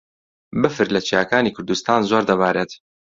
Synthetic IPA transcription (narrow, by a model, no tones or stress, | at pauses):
bɨfɨɾlɐt͡ʃijakaːniːkʰʊɾd̪ust̪aːnzoːɾd̪ɐβaːɾeːt̪